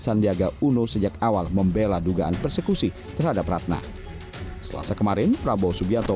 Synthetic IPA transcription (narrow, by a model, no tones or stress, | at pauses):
sandiaɡaunusəd͡ʒakawalməmbeladuɡaʔanpərsəkusi | t̪ərhadaprat̪̚na̰ | səla̰sakəmaɾɪnpɾabosubiat̪ɔ